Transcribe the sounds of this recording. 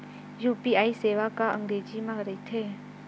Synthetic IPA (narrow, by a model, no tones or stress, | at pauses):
juːpiaːiseːʋakaə̃ŋɡɾeːd͡ʒimãɾəit̪ʰeː